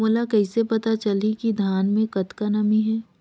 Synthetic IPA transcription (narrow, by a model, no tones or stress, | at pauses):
molakɐɪsepɐt̪at͡ʃɐlikid̪ʱaːnmẽkɐt̪kanɐmiɦɛː